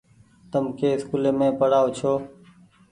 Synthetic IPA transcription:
t̪əmkeːɪskuːleːmẽːpəɽaːʊt͡ʃʰoː

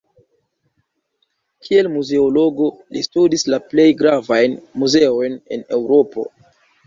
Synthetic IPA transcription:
kʰie̞lmuze̞olo̞ɡo̞lḭstudislaple̞jɡɾavajnmuze̞o̞jne̞̰ne̞̰wɾo̞po̞̰

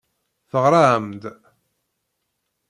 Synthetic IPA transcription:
θəʁɾˤaʕəmd̪

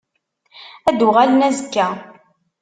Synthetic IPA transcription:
æd̪ʊʁalənæzəkːæ

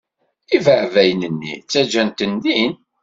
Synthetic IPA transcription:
ivəʕvæjnənːḭt͡sːæd͡ʒænt̪ənd̪in

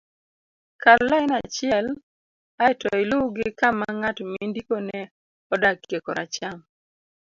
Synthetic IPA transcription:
kallaɪnat͡ʃɪɛl | aɪtɔ̰ɪlʊɡɪkamaŋatmindikonɛ | ɔdakjekɔɾa̰t͡ʃaŋ

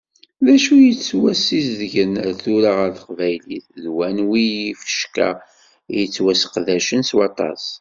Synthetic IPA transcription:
ðæʃujət͡sːwæsizðʝənəɾθuɾaʁəɾθə̥qvæjliθðwænwijifə̥ʃka̰ | jət͡sːwæsqðæʃənswɑt̪ˤɑ̰s

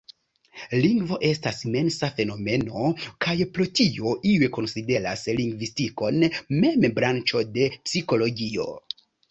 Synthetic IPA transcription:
liŋɡvo̞ʔe̞stasime̞nsafe̞no̞me̞no̞kajpɾotioʔiweko̞nside̞ɾasliŋɡvistiko̞nme̞mbɾant͡ʃo̞de̞psiko̞lo̞ɡio̞̰

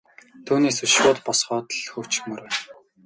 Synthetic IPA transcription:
t̪ʰuːneːsɵʃpʊːt̪pɔsχɔːt̪ɮxɵw̥ʰt͡ɕɪ̥̆xmɵɾæːn

